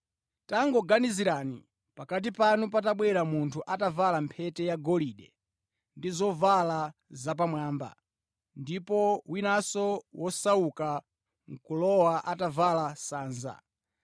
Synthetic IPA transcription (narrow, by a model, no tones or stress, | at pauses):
taŋɡɔɡaniziɾaːnḭ | pakat̬ipanup̬at̬aɓwɛɾamuntʰuʔatavalampʰɛtɛjaɡɔliɗɛ | ndizɔvalazap̬amwaːmba̰ | ndipɔwinasɔwɔsauka | ŋ̩kulɔwaʔatavalasaːnza̰